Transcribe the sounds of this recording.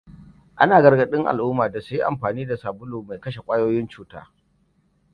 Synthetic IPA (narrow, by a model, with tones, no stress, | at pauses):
ʔa˦naː˨ɡɐ˨˦rɡɐ˦ɗɪ˦ŋʔa̰˨lʔʊː˦maː˨da˨sʊ˦ji˦ʔa̰˨mɸaː˨niː˦da˨saː˨bʊ˦loː˨ma˨jkɐ˦ʃe˨kʷʼaː˦joː˦jɪ˦nt͡ʃuː˦ta̰ː˦